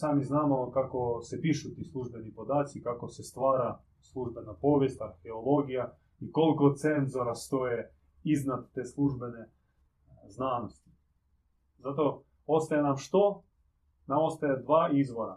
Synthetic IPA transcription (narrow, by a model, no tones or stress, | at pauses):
saːmiznaːmokako̞sepiʃut̪iːslˠuʒbenipo̞d̪aːt̪sikakosest̪ʋaːɾa | slˠuʒbenapo̞ːʋje̞st̪aɾxeolo̞ɡija | ikolkosenzoɾast̪oje | iznad̪ːeːslˠuʒbene̞ | znaːnost̪i̥ | zat̪o̞ | ost̪ajenamʃt̪o | namost̪ajed̪ʋaːizʋoɾa